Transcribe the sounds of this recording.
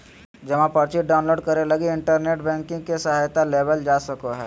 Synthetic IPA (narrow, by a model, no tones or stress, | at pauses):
d͡ʒɐmãpɐɾt͡ʃiʈɖaːʊ̃nloːɖkɐɾelɐɡeɪɳʈəɾneːʈbɛ̃ːŋkɪ̃ŋɡ̚kesɐɦaːjt̪aleːbəld͡ʒaːsɐkoɦɛ̰ː